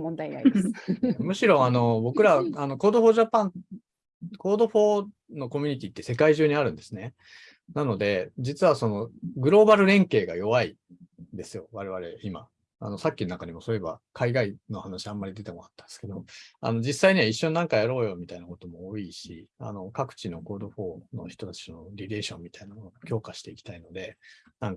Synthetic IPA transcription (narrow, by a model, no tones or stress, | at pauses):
mõnd̪aina̰i | mɯ̟ɕiɾo̞ano̞bo̞kɯ̟ɾaano̞ko̞ːd̪o̞ɸo̞ːʑapãn | ko̞ːd̪o̞ɸo̞ː | no̞ko̞mʲyɲ̟it̪ʲit̪ːe̞se̞kaiʑɨːɲ̟iaɾɯ̟̃nd̪e̞sɨne̞ | nano̞d̪e̞d͡ʑit͡sɨβaso̞no̞ɡɯ̟ɾo̞ːbaɾɯ̟ɾẽ̞ŋke̞ːɡa̰jo̞βai | nd̪e̞sɨjo̞βaɾe̞βaɾe̞̰ima̰ | a̰no̞sakʲːinonakaɲ̟imo̞so̞ɾe̞ba̰kʰaiɡaino̞hanaɕiãmːaɾʲid̪e̞t̪ekoɾat̪ːand̪sɨ̥ke̞d̪o̞a̰no̞d͡ʑisaiɲ̟iβaiɕːõ̞nːãŋkajaɾo̞ːjo̞mʲit̪ainako̞t̪o̞moːiɕḭa̰no̞kakɯ̟̥t͡ɕino̞ko̞ːd̪o̞ɸo̞ːno̞̰çi̥t̪o̞t̪ḁt͡ɕi̥noɾʲiɾe̞ːɕõ̞mʲːit̪ainamo̞nomokʲo̞ːkaɕi̥t̪e̞ikʲi̥t̪aino̞d̪e̞nãŋk